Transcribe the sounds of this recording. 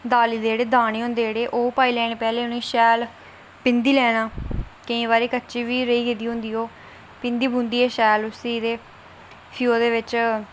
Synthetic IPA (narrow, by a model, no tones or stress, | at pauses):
d̪aːliːd̪eːeːɽeːd̪aːñeːɦʊ̃nd̪eːeːɽeːʔoːpaːiːlɛːɽ̃eːpɛːleːʊnĩːʃɛːl | pɪnd̪iːlɛːɽaːkəĩːβaːɾeːkətːʃiːʋiːɾəiːɡɪd̪iːɦʊ̃nd̪iːoː | pɪnd̪iːbũːnd̪iːɛːʃɛːlʊsiːd̪eː | pʰioːd̪eːʋɪt͡ʃ